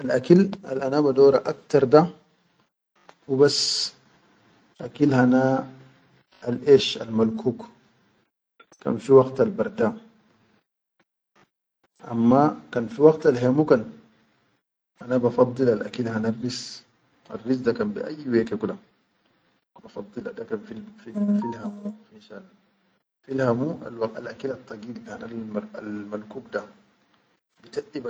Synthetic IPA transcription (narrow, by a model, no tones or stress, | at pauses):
ʔalʔakila̰lʔanabad̪oːɾaʔak̚t̪ɑɾˤd̪a | wibas | ʔakilhana | alʔeːʃa̰lmalkuːk | ka̰nfiwɑɡt̪albaɾˤd̪aː | ʔa̰mːakanfiwɑɡt̪alɦemukan | ʔanabafɑd̪ˤːɨlalʔa̰kilhanarːis | a̰rːis̬dakanbḭʔa̰jːwekekula | kbafɑd̪ˤːɨladakanfififilhamuxiʃal | filhamua̰walakilat̪ˤːɑɡiːlhanalalmalkuːkda | bit̪aʔːiba